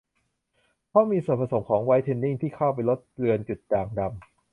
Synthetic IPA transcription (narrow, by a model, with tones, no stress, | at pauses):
pʰɔ˦˥miː˧so˨˩t̚pʰa˧so˩˦mkʰɔː˩˦ŋwa˦˥jt̪ʰe˧nːi˥˩ŋt̪ʰiː˥˩kʰa˥˩wpa˧jlo˦˥t̪̚ɾɯ˧ənt͡ɕu˨˩t̪̚daː˧˩ŋda˧m